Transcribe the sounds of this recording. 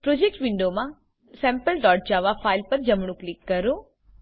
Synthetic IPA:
pɾod͡ʒek̚ʈʋiɳɖoːmã | sɛːmpəlɖɔːɾʈ̚d͡ʒaːʋapʰaːjlpɐɾd͡ʒɐmɳ̃uklikːɐɾu

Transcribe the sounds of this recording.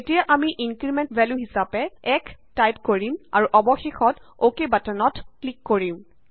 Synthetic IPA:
etijaʔamiʔinkɹimɛntbʱɛljuɦisapɛɛktajtkoɹima̰ɹuʔɔbɔxexɔtokebatɔnɔtklikːoɹim

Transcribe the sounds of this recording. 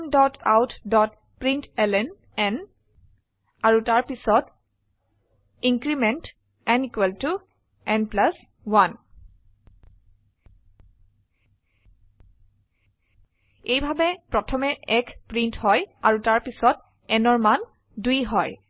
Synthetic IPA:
mdɔta̰wtʰdɔt̚ | pɹintɛlɛn | ɛn | aɹutaɹpisɔt | iŋkɹimɛnt | ɛnikwɛltu | ɛnplas | wan | ejbʱabɛpɹɔtʰɔmɛʔɛkʰpɹinthɔjaɹutaɹpisɔt̚ | ɛnɔɹman | dujɦɔj

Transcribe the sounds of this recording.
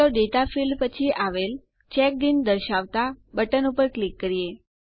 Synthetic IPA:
oɖeʈafilpət͡ʃʰiʔaʋel | t͡ʃɛk̚d̪ind̪əɾʃaʋt̪abəʈənupəɾklikːəɾie

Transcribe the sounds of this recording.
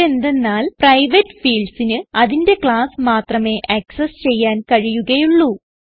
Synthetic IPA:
e̞nd̪e̞nːaːlprɐjʋɐʈːfiːɭɖsinɨɐðinde̞kɭaːsmaːt̪rɐme̞ːʔɐksɐst͡ɕe̞jːaːnkɐɻijuɣɐjuɭːu

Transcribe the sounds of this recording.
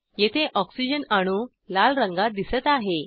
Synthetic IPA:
jet̪ʰeʔɔksid͡ʑənaɽ̃uː | lalɾəŋɡad̪isət̪aɦe

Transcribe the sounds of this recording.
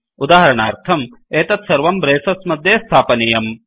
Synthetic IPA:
ud̪aːɦɐɾɐɳaːɾt̪ʰɐm | eːt̪ɐt̪sɐɾʋɐmbɾeːsɐsmɐd̪ʱjeːst̪ʰaːpɐnejɐm

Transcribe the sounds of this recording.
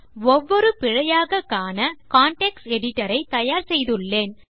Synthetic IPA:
ɔʋːɔɾɯpɪɻɐjaːɣɐkːaːnɐkaːɳʈɛksɛɽɪʈːɐɾɐɪt̪ɐjaːɾsɛjðɯɭːeːn

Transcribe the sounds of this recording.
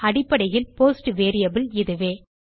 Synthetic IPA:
ɐɽɪpːɐɽɐjɪlpoːsʈʋeːɾɪjɐbɪlɪðɯʋeː

